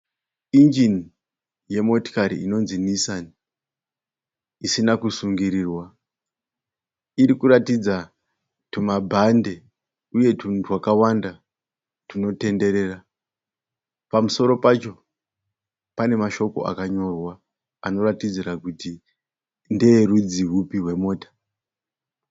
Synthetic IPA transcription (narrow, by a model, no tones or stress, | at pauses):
ind͡ʒini | je̞mo̞to̥kaɾḭino̞nzinisani | isinakusuŋɡiɾiːrwa | iɾikuɾatid͡za | tumabʱande̞ | uje̞tutʰwakawanda | tuno̞te̞nde̞ɾe̞ːra | pamuso̞ɾo̞pat͡ʃo̞ | pane̞maʃo̞ko̞̰a̰kaɲo̞rwa | ano̞ratid͡ziɾakuti | ndeɾud͡ziɦupiɦwe̞mo̞ːtḁ